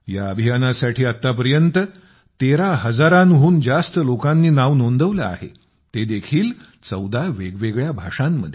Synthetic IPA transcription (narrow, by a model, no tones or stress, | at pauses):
jaəbʱijanasaʈʰiːat̪ːapəɾjənt̪ə | t̪eɾaɦəd͡zaɾanɦuːnd͡zast̪əlokãnːiːnaʋnond̪əʋlaa̰ɦḛ | t̪ed̪ekʰiːl | t͡səwd̪aʋeɡʋeɡɭjabʱaʂãmːə̰d̪ʱj